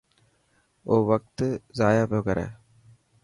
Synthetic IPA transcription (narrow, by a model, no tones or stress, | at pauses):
oːʋɐk̚t̪ɯzaːjaːpoːkɐɾḛ